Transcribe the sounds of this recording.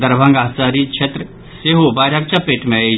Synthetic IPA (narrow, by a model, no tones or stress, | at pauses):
d̪ɐɾbʱãŋɡaːsaːɾit͡ʃʰet̪ɾə | seːɦobaːɾjak̚t͡ʃapeːʈmẽe